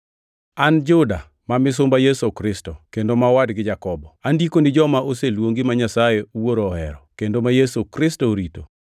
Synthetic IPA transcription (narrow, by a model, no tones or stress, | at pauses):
and͡ʒʊda̰ | mamɪs̬ʊmbajesokɾɪstɔkendomawadɡɪd͡ʒakɔbɔandikonɪd͡ʒɔmaoselwoŋɡimaɲasajewoɾoːhɛ̰ɾɔ̰kendomajesokɾɪstoɾito